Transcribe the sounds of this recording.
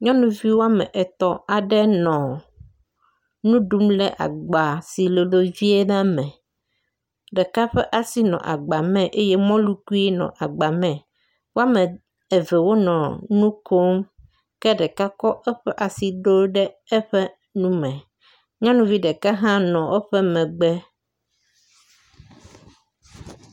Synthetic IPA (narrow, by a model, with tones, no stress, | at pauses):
ɲã˦nũ˨vi˦wo˦a˦mɛ̰̃˨ʔɛ˨t̪ɔ˨a˨ɖɛ˦nɔ̃˨ | nũ˦ɖu˦mlɛ̰˦ʔa̰˨ɡ͡ba˨si˨lo˨lo˦vi˦e˦na˦mɛ̃˨ | ɖɛ˨ka˦ɸɛ˦ʔa˨si˦nɔ̰̃˨ʔa̰˨ɡ͡ba˨mɛ̃˦ʔe˦je˦mɔ̃˦lu˦ku˦e˦nɔ̰̃˨ʔa˨ɡ͡ba˨mɛ̃˨ | wo˦a˦mɛ̃˨ | ɛ˨vɛ˨wo˦nɔ̃˨nũ˦kʰo˦m | kɛ˦ɖɛ˨ka˦kɔ˦ʔɛ˦ɸɛ˦ʔa˨si˨ɖo˦ɖɛ˦ | ɛ˦ɸɛ˦ | nũ˦mɛ̃˨ | ɲã˦nũ˦vi˦ɖɛ˨ka˦ɦã˦nɔ̃˨wʔo˦ɸɛ˦mɛ̃˨ɡ͡bɛ˦